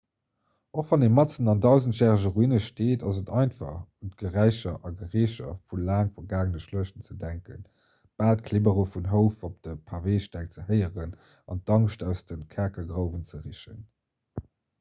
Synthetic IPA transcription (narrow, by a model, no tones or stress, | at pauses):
oχv̥ɑneːmɑtt͡sənɑndɑʊzəntjæːʁəʒəʁuinəʃteːtʰɑzətɑɪntfɑ̰χuntɡ̥əʁæɪʃɐʔɑɡəʁiːɕɐ̰fulaːŋfɐɡaːɡənəʃluəʃənt͡sədæŋkə̰n | b̥aːlt̚kʰlebəʁofunɦəʊfop̚d̥əpʰaʁveːʃtæːk̚t͡səhəɪəʁən | ɑ̰n̚d̥ɑŋʃtæʊsd̥ənkʰæɐkɐɡʁəʊvənt͡səʁiʃə̰n